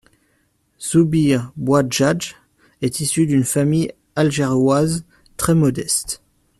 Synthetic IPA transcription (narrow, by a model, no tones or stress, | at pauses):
z̥ubiʁbwaʒad͡ʒ | ɛt̪isyd̪ynfamij | alʒeʁjwaz | t̪χɛmɔd̪ɛst̪